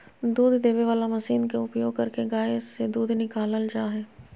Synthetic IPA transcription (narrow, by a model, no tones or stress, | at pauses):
d̪uːd̪ʱd̪eːʋeʋaːlamɐsiːnkeʊpjoːɡ̚kɐɾkeɡaːɪssed̪uːd̪ʱnɪkaːləld͡ʒaːɦɛː